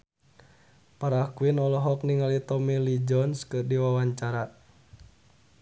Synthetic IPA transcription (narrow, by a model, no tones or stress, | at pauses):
paɾakuinɔlɔɦɔkniŋalit̪ɔmilid͡ʒɔnskɨrdiwawaɲt͡ʃaɾa